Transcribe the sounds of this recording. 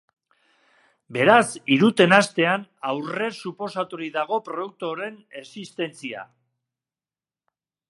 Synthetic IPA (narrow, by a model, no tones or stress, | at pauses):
be̞ɾasiɾut̪e̞nast̪e̞anawre̞supo̞sat̪uɾiðaɣ̞o̞pɾo̞ðuk̚t̪oɾe̞ne̞sist̪e̞nt͡sia̰